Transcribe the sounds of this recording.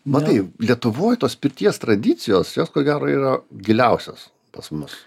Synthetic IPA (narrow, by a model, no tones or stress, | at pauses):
mɐt̪ɐɪlʲiɛt̪ʊʋoːjt̪oːspʲɪrʲt̪ʲiɛst̪ɾɐd̪ʲɪt̪t͡s̪ʲɪjoːsjoːskoːɡʲæːɾoːiːɾɐɡʲɪlʲɛʊsʲoːs | pɐsmʊs